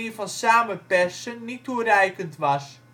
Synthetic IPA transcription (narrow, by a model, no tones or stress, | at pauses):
ivɑnsaːmənpɛsənːiturɛjkəntʋɑs